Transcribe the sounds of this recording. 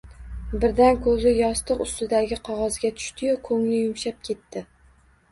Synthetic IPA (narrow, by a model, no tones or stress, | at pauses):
bɪɾd̪ankʰɵzɪjɒst̪ʰɨqʊst̪ɪd̪aɡʲɪqʰɒʁɒzɡʲat̪ʰʊ̥ʃt̪ɪjokʰɵŋlɪjʊmʃap̚kʲʰe̞t̪ʰːɪ